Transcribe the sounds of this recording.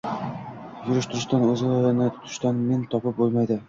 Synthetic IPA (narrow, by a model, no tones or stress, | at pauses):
jʊɾɪ̆ʃt̪ʊɾɪʃt̪anɵzɪlaɾɪnɪt̪ʰʊ̥t̪ʰʊ̥̆ʃt̪anment̪ʰɒpɤp̚bolˠmajd̪ɪ